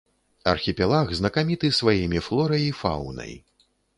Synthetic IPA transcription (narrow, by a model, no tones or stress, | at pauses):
ɐ̰rxʲipʲɛlˠaɣznɐkamʲit̪ɨsvajimʲiflˠɔɾɐjifa̰wnɐ̰j